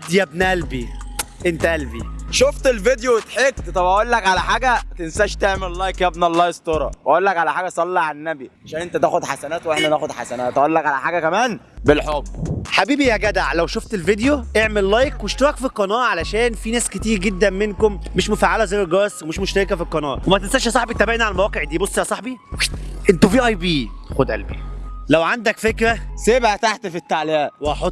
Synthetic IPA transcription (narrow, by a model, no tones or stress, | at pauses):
d̪jæbnæʔælbiʔent̪æʔælbiʃoft̪elved̪joet̪ħekt̪t̪ˤɑbʔæʔolːækʕalæħaːɡæt̪ensæʃt̪eʕmellːɑjkjæbnælːɑːjest̪oɾˤɑ̰wʔæʔolːækʕalæħaːɡæsˤɑlːɑʕanːæbiʕaʃæːnʔent̪æt̪æːxod̪ħasænæːt̪wʔeħnænæːxod̪ħasænæːt̪ʔæʔolːækʕalæħaːɡækæmæːn | belħobħabiːbijæɡæd̪aʕlæwʃoft̪elved̪joʔeʕmellɑjkweʃt̪ɑɾˤɑkfiqːɑnɑːʔʕalæʃæːnfinæːsket̪iːɾɡed̪ːæmmenkomːeʃmofaʕalæzæjːælɡɑːswemeʃmoʃt̪æɾekæfiqːɑnɑ̰ːʔwemæt̪ensælʃæsˤɑħbit̪ːæbeʕniʕalælmæwæːqeʕd̪iːbosˤːjæsˤɑħbiweʃʔent̪ofiːʔɑjbiːxod̪ʔæ̰lbḭlæwʕand̪ækfekɾæsebʕæt̪aħt̪fit̪ːaʕlehæweʔɑħot̪ː